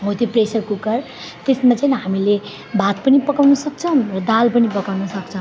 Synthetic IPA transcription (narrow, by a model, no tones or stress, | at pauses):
mot̪ipresʌrkukʌr | t̪esmat͡saĩnɦamile | bat̪̚pʌnipʌkawnʌsʌk̚t͡sʰʌ̃rʌd̪alpʌnipʌkawnʌsʌk̚t͡sʰʌ̃